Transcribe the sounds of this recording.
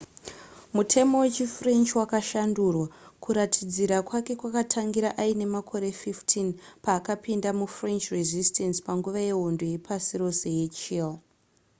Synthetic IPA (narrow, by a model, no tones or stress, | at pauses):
mutʰe̞mo̞we̞t͡ʃifre̞nt͡ʃwakaʃandurwakuɾatʰid͡ziɾakwake̞kwakatʰaŋɡiɾaʔaine̞makʰo̞ɾe̞fiftʰinpaːkapindamufrent͡ʃrezistʰensi̥paŋɡuʋaje̞ɦo̞ndo̞je̞pʰasiro̞se̞je̞t͡ʃil